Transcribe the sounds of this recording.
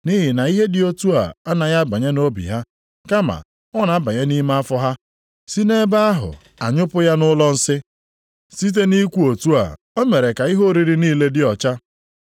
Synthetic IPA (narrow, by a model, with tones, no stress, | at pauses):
ni˦ɦɪ˨na˨i˦ɦe˦dɪ˦o˦tu˦a̰˨a˦na˨ja˦ba˨ɲe˦no˦bḭ˨ɦa˦ | ka˦ma̰˨ | ɔ˦na˨˦ba˨ɲe˦ni˦ma˦a˦fɔ˦ɦa˦ | si˦ne˦ba˦a˦ɦʊ̰˨ | a̰˨ɲʊ˦pʊ˦ja˦nʊ˦lɔ˦n̩˦sɪ˦ | si˦t̬e˦ni˦kʷu˦o˨tu˦a̰˨ | o˦me˨ɾe˨ka˨i˦ɦo˦ɾi˨ɾi˦niː˦le˦dɪ˦ɔ˨t͡ʃa˦